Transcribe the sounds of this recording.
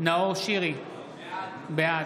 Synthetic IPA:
naoʃiʁi | bea

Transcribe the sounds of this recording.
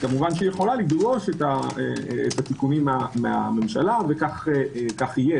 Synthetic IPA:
kamuvanʃijeχo̞lalidɡo̞ʃet̪aeet̪at̪ikunimamea̰me̞mʃalavekaχekaχije

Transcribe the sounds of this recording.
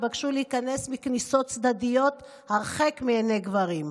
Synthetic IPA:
vakʃulehikane̞smikniso̞t̪̚t͡sd̪ad̪ijo̞t̪ | haʁχekmieneɡvaʁim

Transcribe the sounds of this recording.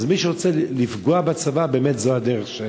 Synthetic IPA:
zmiʃəʁot͡sɛlifɡoabat͡savabeːmɛtzoadɛʁɛχʃe

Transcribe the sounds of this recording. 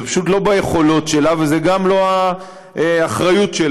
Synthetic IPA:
pḁʃut̪lo̞bajeχo̞lo̞tʃe̞lavezeɡamlo̞a | eaχʁajutʃel

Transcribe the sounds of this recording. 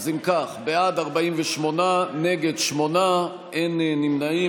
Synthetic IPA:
zimkaχbead̪aʁbaimveʃmo̞naneɡedʃmo̞na | ennimnai

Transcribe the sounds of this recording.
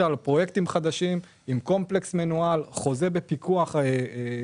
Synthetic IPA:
alpʁo̞je̞kt̪imχad̪aʃim | imko̞mple̞ksmanualχo̞ze̞be̞pikuaχ

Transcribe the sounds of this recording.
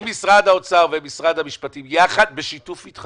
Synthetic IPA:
misʁad̪ao̞t͡saʁvemisʁad̪hamiʃpatimjaχad̪̚beʃitufitχ

